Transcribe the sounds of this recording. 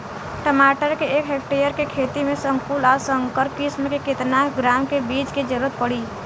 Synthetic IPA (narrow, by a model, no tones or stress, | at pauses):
ʈəmaːʈəɾkeeːkɦek̚ʈejəɾkekʰeːt̪imẽsə̃ŋkuːlɔːɾsəŋkəɾpkismkekɪt̪naɡɾaːmkebiːt͡ʃked͡ʒəɾuɾət̪̚pəɽiː